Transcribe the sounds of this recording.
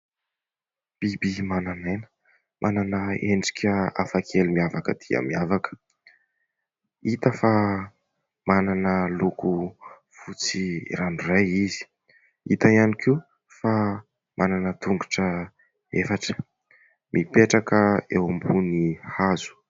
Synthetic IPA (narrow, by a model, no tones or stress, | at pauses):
b̥ibimananenə̥ | mʔananəeɳɖ͡ʐi̥kʰʲəa̰fakʰelimiavakəd̪iə̰miavakə̥ | it̪əfa | mananəluku | fut͡sḭranurajizi̥ | it̪aianikʰi | fa | mʔananət̪uŋɡu̥ʈ͡ʂə | efaʈ͡ʂə̥ | mʔipeʈ͡ʂakəewambunihazu̥